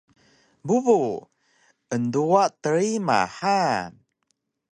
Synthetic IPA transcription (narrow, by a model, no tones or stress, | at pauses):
buvu | ənduaʔt̪əɾima̰ha